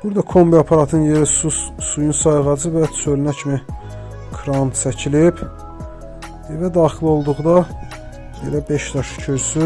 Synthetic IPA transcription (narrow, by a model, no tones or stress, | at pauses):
b̥uɾd̪ɑkʰo̞mbiɑpʰɑɾɑt̪ʰɯnje̞ɾisusujunsɑjʁɑd͡ʒɯvæt̪t͡sʰølnæcʰimi | kʰɾɑnt͡sʰæcʰilib | evæd̪ɑːχilo̞lˠd̪uʁd̪ɑ | belæbe̞ʃd̪ɑʃcʰyɾsy